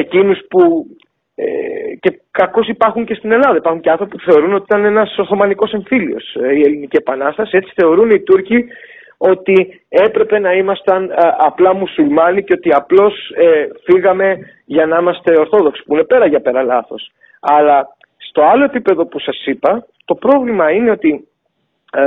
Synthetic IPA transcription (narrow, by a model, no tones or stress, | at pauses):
e̞cinuspu | ḛce̞kɐko̞sipɐɾxuɲce̞st̪ine̞lɐðɐipɐɾxuɲceɐnθɾopipu̥θe̞o̞ɾunoiit̪ɐne̞nɐso̞ɾθo̞mɐniko̞se̞ɱfilio̞̰sie̞linicepɐnɐst̪ɐsie̞t͡si̥θe̞o̞ɾunit̪uɾci | o̞t̪i | e̞pɾe̞pe̞nɐimɐst̪ɐnɐplɐmusulmɐniceo̞t̪iɐplo̞sefiɣɐme̞ | ʝɐnɐimɐst̪e̞o̞ɾθo̞ðo̞ksi̥puine̞pe̞ɾɐʝɐpe̞ɾɐlɐθo̞s | ɐlɐ | st̪o̞ɐlo̞e̞pipe̞ðo̞pusɐsipɐ | t̪o̞pɾo̞vlimɐine̞o̞t̪i